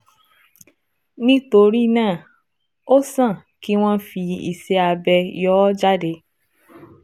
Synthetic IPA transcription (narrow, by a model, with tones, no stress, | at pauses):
nĩ˦to˧ɾi˦˧nãː˦˨ | o˦sã˦˨ | ki˦w̃ɔ̃˦fi˧ḭ˨sɛ˧a˧bɛ˧jɔ˦d͡ʒa˦de˨˧